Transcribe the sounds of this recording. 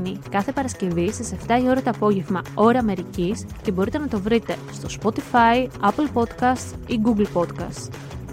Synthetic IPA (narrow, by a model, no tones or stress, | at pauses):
nikɐθe̞pɐɾɐsce̞visese̞ft̪ɐio̞ɾɐt̪ɐːpo̞ʝe̞vmɐo̞ɾɐːme̞ɾicisce̞bo̞ɾit̪e̞nɐt̪o̞vɾit̪e̞st̪o̞spo̞t̪ifɐiɐpl̩po̞t̪kɐst̪iɡuɡlpo̞t̪kɐ̰st̪t